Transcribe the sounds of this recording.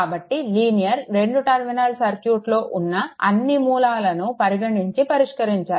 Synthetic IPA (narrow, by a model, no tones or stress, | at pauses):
aːbɐʈːiliːnijɐɾɾe̞ɳɖuʈɐɾminalsɐɾkjuːʈlo̞ːʔunːɐɐ̰nːimuːlaːlɐnupɐɾiɡɐɳiɲt͡ʃipɐɾiʂkɐɾiɲt͡ʃaː